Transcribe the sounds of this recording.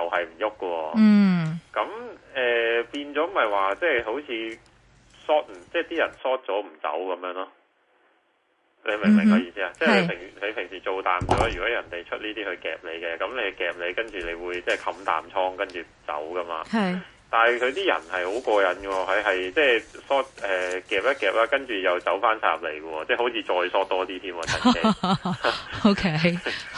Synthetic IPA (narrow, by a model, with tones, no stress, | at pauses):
jɐ˨whɐ˨jm̩˨˩jʊ˥kːə˧wɔː˧ | kɐ˨˧˥mɛː˨piː˧nt͡sɔː˨˥mɐ˨jwaː˨t͡sɛː˥˩ɦo˨˥wt͡sʰiː˨˧ | sɔː˥t̚m̩˨˩t͡sɛː˥˩t̪iː˥jɐ˨˩nsɔː˥t̚t͡sɔː˨˥m̩˨˩t͡sɐ̰˨˥wkɐ˨˧mjœː˨˧˥ŋlɔː˥ | le˨˧jmɪ˨˩ŋmɪ˨˩ŋɐ˨˥jiː˧siː˥aː˧t͡sɛː˥ke˨pʰɪ˨˩ŋle˨˧jpʰɪ˨˩ŋsiː˨t͡ʃo˨˧wt̪aː˨mt͡ʃɔː˨˥jyː˨˩kɔː˨˥jɐ˨˩nt̪e˨˩jt͡ʃʰɵ˥t̚niː˥t̪iː˥hɵ˧ɥkɛː˨p̚le˨˧jkɛ˧kɐ˨˥mle˨˧jkɛː˨p̚le˨˧jkɐ˥nt͡ʃyː˨˩le˨˧jwuː˨˧jt͡sɛː˥˩jkʰɐ˧mt̪a̰ː˨˩mt͡ʃʰɔː˥ŋkɐ˥nt͡ʃyː˨t͡sɐ̰˨˥wkɐ˥ma̰ː˧hj | t̪aː˨nkʰɵ˨˧ɥt̪iː˥jɐ̰˨˩nhɐ˨jho˨˥wkɔː˧jɐ˨˥nkə˧wɔ˧ɐ˨jɦɐ˨jt͡sɛː˥˩sɔː˥t̚ʔɛː˨kɛː˨p̚jɐ˥t̚kɛː˨p̚laː˥kɐ˥nt͡ʃyː˨jɐ˨wt͡sɐ˨˥wfaː˥nsa̰ː˧˥p̚lḛ˨˩jkə˧ɔː˧t͡sɛː˥˩ho˨˥wt͡sʰiː˨˧t͡ʃɔː˧jsɔː˥t̚t̪ɔː˥t̪iː˥t̪ʰiː˥mwɔː˧t͡sa˨˩e˧ | o˧kʰe˥